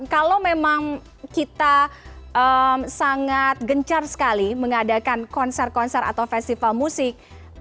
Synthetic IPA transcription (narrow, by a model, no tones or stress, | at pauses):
kalowmemaŋ | kit̪aʔəmsaŋat̪̚ɡəɲt͡ʃarsə̥kaliməŋadakankɔnsɛr̚kɔnsɛra̰t̪awfɛst̪ifalmusɪk̚